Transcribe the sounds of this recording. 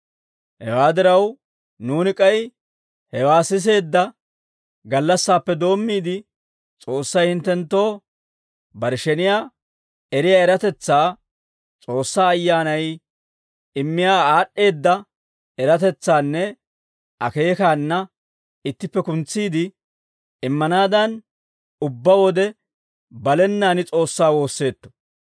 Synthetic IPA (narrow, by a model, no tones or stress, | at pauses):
hɛ̰waːd̪ɪɾɐw | nuːnɪkʼɐj | hɛwaːsɪs̬e̞ːd̪ːɐ | ɡɐlːɐsːaːpːɛd̪o̞ːmːiːd̪ɪ | t͡sʼo̞ːsːɐjhɪnt̪ːɛnt̪ːo̞ː | bɐɾʃɛnɪjaː | ɛɾɪjaːɛɾɐt̪ɛt͡sːaː | t͡sʼo̞ːsːaːjːaːnɐj | ɪmːɪjaːaːɗːe̞ːd̪ːɐ | ɛɾɐt̪ɛt͡sːaːnːɛ | ʔɐke̞ːkaːnːɐ | ɪt̪ːɪpːɛkʊnt͡sːiːd̪ɪː | ɪmːɐnaːd̪ɐn | ʊbːɐwɔd̪ɛ | bɐlɛnːaːnɪt͡sʼo̞ːsːaːwo̞ːsːe̞ːt̪ːɔ̥